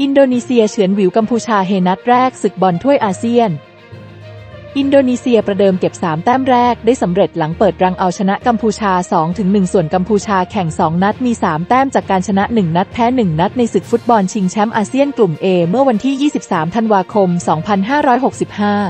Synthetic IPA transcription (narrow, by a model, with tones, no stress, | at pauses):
ʔi˧ndoː˧niː˧si˧ɐt͡ɕʰɯ˩˦ənwi˩˦wka˧mpʰuː˧t͡ɕʰaː˧ɦeː˧na˦˥t̪̚ɾɛː˥˩k̚sɯ˨˩k̚bɔ˧nt̪ʰu˥˩əjʔaː˧si˥˩ən | ʔi˧ndoː˧niː˧si˧ɐpɾa˧dɤː˧mke˨˩p̚saː˩˦mt̪ɛː˥˩mɾɛː˥˩k̚daː˥˩jsa˩˦mɾe˨˩t̪̚la˩˦ŋpɤː˨˩t̪̚ɾa˧ŋʔa˧wt͡ɕʰa˧na˦˥ʔka˧mpʰuː˧t͡ɕʰaː˧sɔː˩˦ŋt̪ʰɯ˩˦ŋnɯ˨˩ŋsu˨˩nka˧mpʰuː˧t͡ɕʰaː˧kʰɛ˨˩ŋsɔː˩˦ŋna˦˥t̪̚miː˧saː˩˦mt̪ɛː˥˩mt͡ɕaː˨˩kːaː˧nt͡ɕʰa˧na˦˥ʔnɯ˨˩ŋna˦˥t̪̚pʰɛː˦˥nɯ˨˩ŋna˦˥t̪̚na˧jsɯ˨˩k̚fu˦˥t̪̚bɔ˧nt͡ɕʰi˧ŋt͡ɕʰɛ˦˥mʔaː˧si˥˩ənklu˨˩mʔeː˧mɯ˥˩ɐwa˧nt̪ʰiː˥˩jiː˥˩si˨˩p̚saː˩˦mt̪ʰa˧nwaː˧kʰo˧msɔː˩˦ŋpʰa˧nɦaː˥˩ɾɔː˦˥jɦo˨˩k̚si˨˩p̚haː˥˩